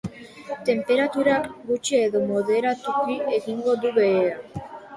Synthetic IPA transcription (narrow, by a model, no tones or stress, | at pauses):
t̪empeɾat̪uɾaɣut͡ʃeːðomoðeɾat̪ukieɣiŋɡod̪uβea